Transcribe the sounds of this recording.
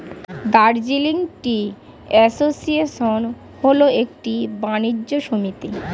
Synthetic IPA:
d̪aɾd͡ʑiliŋʈi | ɛsosieʃon | ɦoloek̚ʈibanid͡ʑːoʃomit̪i

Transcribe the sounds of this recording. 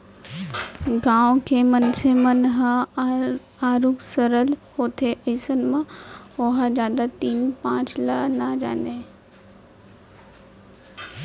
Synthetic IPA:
ɡãːõkʰeːmɐnsemənɦa | aːɾuksəɾəlhoːt̪ʰeʔeːsənɪ̆mãoɦazjaːd̪at̪iːnpãːt͡ɕlɐnad͡ʑa̰ːne

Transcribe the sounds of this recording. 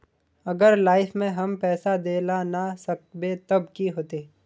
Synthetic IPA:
ɐɡəɾlaːɪfmẽɦɐmpɛːsad̪eːlanasɐk̚bet̪ɐbkiɦoːt̪e

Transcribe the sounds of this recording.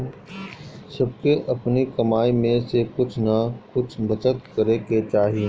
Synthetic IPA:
sɐb̚keʔɐpnikɐmaːimẽsekʊt͡ʃʰnɐkʊt͡ʃʰbɐt͡ʃət̪kɐɾeket͡ʃaːɦiẽ

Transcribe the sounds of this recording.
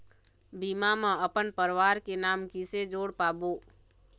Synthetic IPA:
biːmamãəpənpəɾʋaːɾkenaːmkised͡ʒoːɽpaːboː

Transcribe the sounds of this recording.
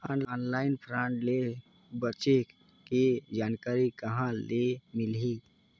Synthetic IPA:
anɔːnlaːɪnpʰɾãɳʈle | bət͡ʃe | kid͡ʒaːnkaːɾikɐɦãlemɪli

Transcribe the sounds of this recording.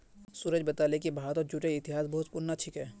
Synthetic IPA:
suːɾəd͡ʒbɐt̪aːlekibʱaːt̪ɔːɾd͡ʒuʈeɪt̪ɪɦaːsbɐɦʊt̪̚pʊɾnat͡ʃʰɪkɦɛː

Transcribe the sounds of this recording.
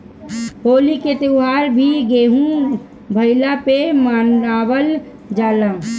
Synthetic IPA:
hoːliket̪euɦaːɾbʱiɡeːɦũ | bʱəɪlapemaːnaːwəl | d͡ʒaːlã

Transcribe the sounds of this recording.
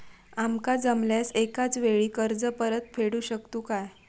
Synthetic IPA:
amkad͡zəmljasekat͡sʋeɭiːkəɾd͡zəpəɾət̪̚fʰeɽuːɕəkt̪uːkaj

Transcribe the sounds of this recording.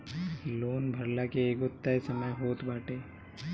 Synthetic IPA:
loːnbʱɐɾlakeeːkʊt̪ːaesɐməjɦoːt̪baːʈeː

